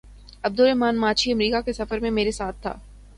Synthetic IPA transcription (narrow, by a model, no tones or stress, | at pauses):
ɐb̚d̪ʊɾɛɦmaːnmaːt͡ʃʰiɐmɾiːkakesɐfəɾmẽmeːɾesaːt̪ʰːa̰ː